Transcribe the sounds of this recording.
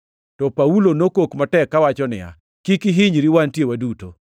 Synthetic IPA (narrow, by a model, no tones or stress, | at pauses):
tɔpaulonokokmatɛkːawat͡ʃɔnɪ̰ja̰ | kikiɦɪɲɾiwantjewaduto